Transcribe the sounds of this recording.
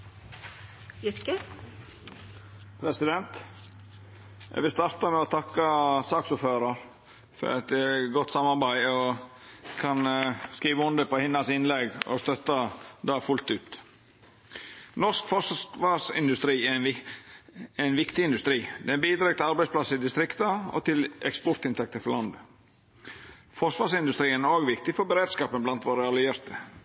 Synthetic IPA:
kə | pʰɾɛsɪd̪ɛnt̪ | j̰ʋɪlst̪ɑɾt̪əmɛɔt̪ʰɑkːəsɑːksuːføːɾɑɾ | fɔ̰ɾɑ̰t̪̚d̪ɛɡɔt̪ːsɑmːɑɾbæɪɔ | kʰɑnskiːʋəʊnd̪əpɔhɪnːɑsɪnlɛɡɔ̰st̪œt̪ːəd̪ɑːfʉlt̪ʉːt̪ | nɔskfɔsʋɑɾsɪ̰nd̪ʉst̪ɾiːæɾn | æɪnʋɪkt̪ɪɪnd̪ʉst̪ɾiːd̪ɛnbiːd̪ɾɑːɡt̪ʰɪlɑɾbæɪspʰlɑsːəɪd̪ɪst̪ɾɪkt̪ɑɔ̰t̪ʰɪlɛkspɔɾt̪ɪnt̪ʰɛk̚t̪əfɔlɑnd̪ə | fɔʂʋɑːsɪnd̪ʉst̪ɾiːənæɾoːɡʋɪkt̪ɪfɔɾbəɾeːd̪skɑːpənblɑnt̪ʋoːɾəɑlɪjeːɾt̪ə

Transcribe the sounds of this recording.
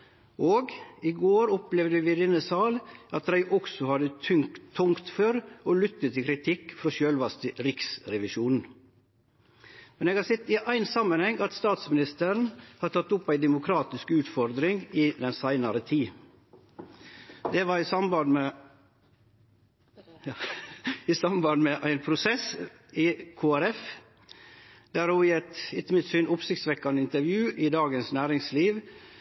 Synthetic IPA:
ʔoːɡɪɡoːɾɔplɛʋd̪əʋɪɾɪnəsɑːlʔɑt̪ɾæɪʔɔksɔhɑd̪ət̪ʰʏŋʰːʊŋkt̪føːɾɔlʏt̪ːət̪ʰːɪlkʰɾɪt̪ʰɪkːfɾɔʃøːlʋɑst̪əɾɪksɾɛʋɪʃuːnn̩ | mɛneːɡɑsɛt̪ːɪʔæɪnsɑmːənhɛŋɑt̪st̪ɑːt̪smɪnɪst̪əɾn̩hɑt̪ʰɑt̪ːʊpæɪd̪ɛmʊkʰɾɑːt̪ɪskʉːt̪fɔɾd̪ɾɪŋɪd̪ɛnsæɪnɑɾət̪ʰiː | d̪ɛʋɑɾɪsɑmbɑnmɛ | ɪsɑmbɑnmɛʔæɪnpʰɾʊsɛs | ɪkʰuːæɾɛf | d̪æɾuːɪɛt̪ɪt̪ːəmɪt̪syːnʊpsɪkt̪sʋɛkːɑnəɪnt̪əɾʋjʉːʔɪd̪ɑːɡənsnæːɾɪŋsliːʋ

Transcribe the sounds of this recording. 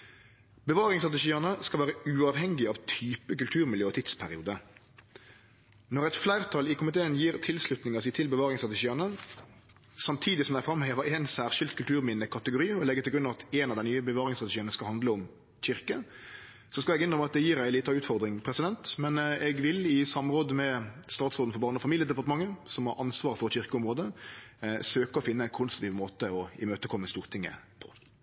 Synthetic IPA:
bəʋɑːʁɪŋst̪ʁɑt̪ɪʃiːənəskɑlʋæːɾəʉːɑʋhɛŋɡɪɑʋt̪ʰyːpəkʉlt̪ʰʉːʁmɪljøːt̪ɪt̪spʰæʁɪuːd̪ə | nɔʁɛɪt̪flæɪʁt̪ʰɑlɪkʊmɪt̪ʰeːənjiːʁt̪ʰɪlslʉt̪nɪŋəsiːt̪ʰɪlbəʋɑːʁɪŋst̪ʁɑt̪ɪʃiːənə | sɑmt̪ʰiːd̪ɪsɔmd̪æɪfɾɑmːheːʋəɾɛnsæːʁʃɪlt̪kʰʉlt̪ʉːʁmɪnəkʰɑt̪əɡʊɾiːɔlɛɡːət̪ɪlɡɾʉnɑʋɑt̪ʰɛːnɑʋd̪æɪnyːəbəʋɑːʁɪŋst̪ʁɑt̪ɪʃiːənəskɑlhɑnd̪ləʊm | çɪɾkə | sɔskɑlɛɡʏnd̪ɾəmɑt̪̚d̪ɛjiːɾæɪliːt̪ɑʉːt̪fɔʁd̪ɾɪŋpʰɾɛsɪd̪ɛnt̪mɛnɛɡʋɪlɪsɑmʁoːd̪əmɛst̪ɑːt̪soːd̪n̩fɔʁbɑːʁnəɔfɑmiːljəd̪ɛpɑʁt̪əmɑŋːəsɔmhɑɾʔɑnsʋɑːɾəfɔɾçɪʁkəʊmʁoːd̪ə | søːkəɔfɪnːəæɪnkʰʊnst̪ɾt̪ʰiːʋmoːt̪əɔɪmøːt̪əkʰɔmːəst̪uːʁt̪ʰɪŋːə̰pʰɔ̥

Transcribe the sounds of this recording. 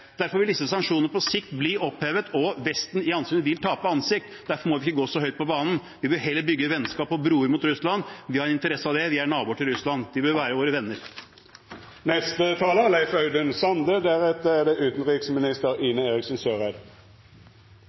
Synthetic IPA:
d̪̥æɾfɔɾʋɪld̪ɪsəsɑŋkʂuːnəəpʰɔsɪkt̪bliːʔɔpheːʋət̪ɔʋɛst̪n̩ɪɑnsyːnəʋɪlt̪ʰɑːpəɑnsɪk̚t̪d̪æɾfɔɾmɔʋɪɪkːəɡoːsɔhœʏt̪̚pʰɔbɑːnn̩ | ʋɪbøɦɛlːəɾbʏɡːəʋɛnːskɑːpɔbɾuːəɾmʊt̪ɾʉslɑnʋɪhɑɾnɪnt̪əɾɛsːəɑʋd̪ɛʋɪæɳɑːbuːʈʰɪlɾʉslɑnd̪ɪbøːʋæːɾəʋoːɾəʋɛnːəɾ | nɛst̪ət̪ʰɑːləlæɪfœʏd̪ənsɑnd̪əd̪æʁɛt̪ːəæɖɛʔʉːt̪n̩ʁiksmɪnɪst̪əʁiːnəeːʁɪksnsøːʁæɪd̪

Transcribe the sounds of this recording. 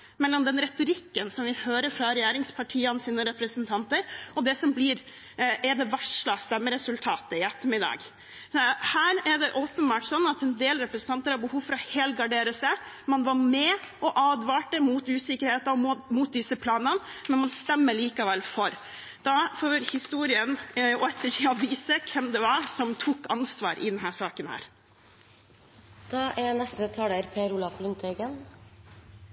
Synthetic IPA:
mɛlːɔmd̪ɛnɾɛt̪ʊɾɪkːənsɔmʋɪhøːɾəɾfɾɑɾɛjæːɾɪŋspʰɑʈʰiːɑnsiːnəɾɛpɾəsnt̪ʰɑnt̪əɾɔd̪ɛsɔmblɪɾ | ɛd̪ɛʋæʂɭɑst̪ɛmːəɾɛsʉlt̪ʰɑːt̪əɪɛt̪ːəmɪd̪ɑ̰ːɡ | hæːɾɛd̪ɛʔoːpənbɑːʈsɔnːɑt̪ɛnd̪eːlɾɛpɾəsən̩t̪ʰɑnt̪əɾhɑɾbəhuːʋfɔɾɑheːlɡɑɖeːɾəsɛ | mɑnʋɑɾmɛɔʔɑːd̪ʋɑːʈəmuːt̪ʉːsɪkəɾheːt̪ɑɔmmuːt̪̚d̪ɪsəpʰlɑːnənmɛnmɑnst̪ɛmːəɭiːkɑʋɛlfɔɾ | d̪̥ɑfoːʋɪlhɪst̪uːɾɪənɔɛt̪ʰːəʈʰiːɑʋiːsəkʰɛmd̪ɛʋɑɾsɔmt̪ʰukːɑnsʋɑ̰ːɾʔɪ̰d̪ɛnɦæːʂɑːkənhæ̰ːɾ | d̪̥ɑːʔænɛst̪ət̪ʰɑːləɾpʰeːɾʊlɑflʉnt̪ʰɛɡən

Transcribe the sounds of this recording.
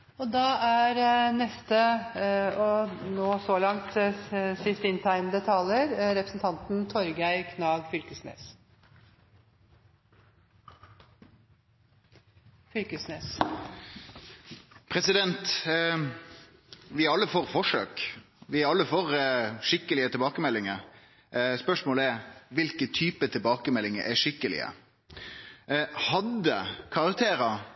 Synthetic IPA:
ɔd̪ɑæɾnɛst̪ə | ɔnoːsɔlɑŋt̪sɪst̪əɪnt̪ʰæɪnd̪ət̪ʰɑːləɾɾɛpɾəsn̩t̪ʰɑnt̪nt̪ʰɔɾɡæɪkʰnɑːɡfʏlkəsnḛːs | fʏlkəsneːs | pʰɾɛsɪd̪ɛnt̪ | ʋɪɑlːəfoːʁfɔʂø̰ːk | ʋɪɑlːəfoːɾʂɪkːəlɪət̪ʰɪlbɑːkəmɛlːɪŋəɾ | spœʂmoːləɛɾʋɪlkət̪ʰyːpət̪ʰɪlbɑːkəmɛlːɪŋə̰ɾʔæʂɪkːəlɪ̰ə̰ | hɑd̪əkʰɑʁɑkt̪ʰeːɾɑ

